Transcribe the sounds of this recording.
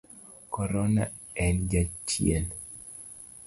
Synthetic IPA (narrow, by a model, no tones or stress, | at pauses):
kɔɾɔna̰ɛnd͡ʒat͡ʃjḛn